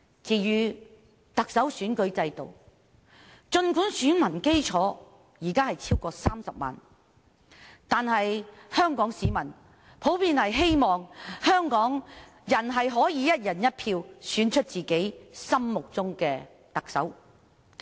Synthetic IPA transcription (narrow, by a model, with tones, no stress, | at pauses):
t͡siː˨˧jyː˨˧ | t̪ɐ˨k̚sɐ˨˥wsyː˨˥nkɵ˨˥ɥt͡sɐ˧jt̪o̰˨w | t͡ʃɵ˧nkuː˨˥nsyː˨˥nmɐ˨˩nke˥jt͡ʃʰɔː˨˥ | jiː˨˩kaː˥hɐ˨jt͡sʰiː˥wkɔː˧saː˥msɐ˨p̚ma̰ː˨˩n | t̪aː˨nhɐ˨jhœː˥ŋkɔː˨˥ŋsiː˨mɐ˨˩n | pʰo˨˥wpʰiː˨˧nhɐ˨jɦe˥jmɔː˨ŋhœː˥ŋkɔː˨˥ŋ | jɐ˨˩nɦɐ˨jɦɔː˨˥jiː˨˧jɐ˥t̚jɐ˨˩njɐ˥t̚pʰiː˧wsyː˨˥nt͡ʃʰɵ˥t̚t͡siː˨ke˨˥jsɐ˥mmʊ˨k̚t͡sʊ˥ŋkɛː˧ | t̪ɐ˨k̚sɐ̰˨˥w